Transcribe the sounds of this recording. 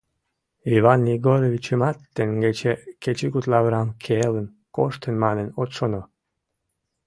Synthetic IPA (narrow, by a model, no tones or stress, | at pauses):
ivanːiɡoɾevʲit͡ɕəmɑt̪ːenɡet͡ɕeket͡ɕikut̪lɑβɾɑmkʰelən | koʃt̪ənmɑnenot̪ʃono